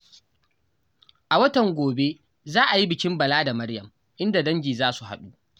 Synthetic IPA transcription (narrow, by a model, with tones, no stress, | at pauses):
ʔa˨wɐ˦tɐ˨ŋɡʷoː˨be˦ | zaː˦ʔa˨ji˦bɪ˨kʲɪ˦mbɐ˨laː˦da˨mɐ˦ɽjɐ˨m | ʔɪ˦nda˨dɐ˦ɲɡʲiː˨zaː˦su˨ha̰˨ɗu˦